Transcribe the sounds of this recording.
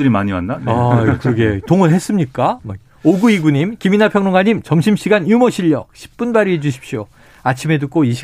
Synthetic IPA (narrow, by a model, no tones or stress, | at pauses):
ɯɾimaɲiwa̰ndanakɯɾʌɡe̞toŋɯɦe̞s͈ɯmɲik͈a | oɡuiɡuɲimkiminapʰjʌŋnoŋaɲimt͡ɕʌmɕʰimɕ͈ʰiɡanjumoɕʰiʎːʌ̰k̚ɕʰi̥p̚p͈unbaɾiɦed͡ʑuɕʰi̥p̚ɕ͈io | at͡ɕʰime̞d̬ɯk͈oiɕʰi̥